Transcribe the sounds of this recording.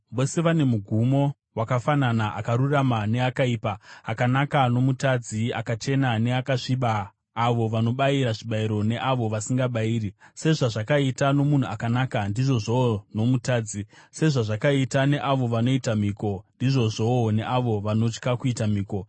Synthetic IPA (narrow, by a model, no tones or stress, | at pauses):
ʋo̞se̞ʋane̞muɡʱumo̞ | wakafananaʔa̰kaɾuramane̞akaiːpaːkanakano̞mutad͡zia̰kat͡ʃe̞nane̞akaʂiɓaː | ʋo̞ʋano̞ɓaiɾaʐiɓaiɾo̞ne̞ʔaʋo̞ʋasiŋɡaɓaiːrise̞ʐaʐakaitano̞mun̤uakanaːkandiʐo̞ʐono̞mutaːd͡zise̞ʐaʐakaitane̞ʔaʋo̞ʋano̞itamiːko̞ndiʐo̞ʐone̞ʔaʋo̞ʋano̞t͡ʃkakuitamiːko̞